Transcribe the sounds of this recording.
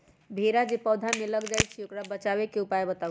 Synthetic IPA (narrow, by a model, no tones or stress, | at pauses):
bʱeɾad͡ʒepəd̪ʱameləɡd͡ʒajt͡ʃʰiokɾabət͡ʃaβekeupaebət̪a